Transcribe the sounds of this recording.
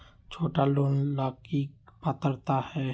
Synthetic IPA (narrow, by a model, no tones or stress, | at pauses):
t͡ʃʰoːʈaloːnlaːkipat̪əɾt̪ahɛː